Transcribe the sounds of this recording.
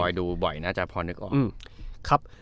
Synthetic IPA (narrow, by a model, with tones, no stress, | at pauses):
ɔː˧jduː˧bɔ̰˨˩jnaː˥˩t͡ɕa˨˩pʰɔː˧nɯ˦˥k̚ʔɔ̰ː˨ʔɯː˩˨˩kʰa˦˥p̚